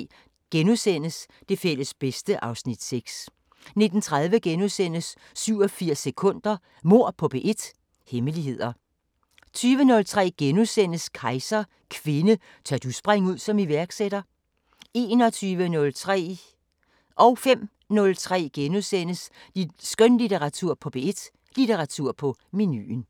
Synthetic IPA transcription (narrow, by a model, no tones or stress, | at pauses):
ɡ̥enusen̰əs | d̥e̝fel̰əsb̥esd̥əʔɑ̈ʊsnid̥seɡ̥s | ne̝d̥n̩t͡sʰʁaðˠʋəɡ̥enusen̰əsː | yʊ̰ɒ̽fiɐ̰sːekʰɔ̽n̰d̥ɐ | mo̝ɐ̰pʰɒ̽b̥e̝ʔe̝d̥ | heməliɦe̝ð̞̰ˠɐ | t͡sʰyːʋənɔ̽lt͡sʰʁɛ̰ːɡ̥enusen̰əskʰɑ̈ɪsɐ | kʰʋe̝nə | t͡sʰɑ̰ɐd̥usb̥ʁaŋ̰uð̞̰ˠsɒ̽miʋæɐɡ̥seɾ̥ɐ | e̝ːnɒ̽t͡sʰyːʋənɔ̽lt͡sʰʁɛ̰ | ʔɒ̽ʊfem̰ | nɔ̽lt͡sʰʁɛ̰ːɡ̥enusen̰əssɡ̥œnlit͡sʰeʁɑ̈t͡sʰuɐ̰pʰɒ̽b̥eed̥ | lit͡sʰeʁɑ̈t͡sʰuɐ̰pʰɒ̽miny̰n